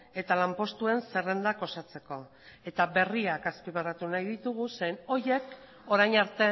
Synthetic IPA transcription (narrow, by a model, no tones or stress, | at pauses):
e̞t̪alampo̞st̪ue̞nse̞re̞nd̪ako̞sat͡se̞ko̞ | e̞t̪aβe̞riakaspiβerat̪unajðit̪uɣ̞use̞jno̞je̞k | o̞ɾajɲaɾt̪e̞